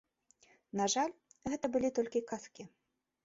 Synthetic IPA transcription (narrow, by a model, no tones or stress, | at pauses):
naʐalʲɣɛt̪ɐbɨlʲit̪ɔlʲkʲikaskʲi